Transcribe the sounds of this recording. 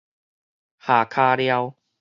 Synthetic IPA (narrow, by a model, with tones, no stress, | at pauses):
haː˨˩kʰaː˧lja˧w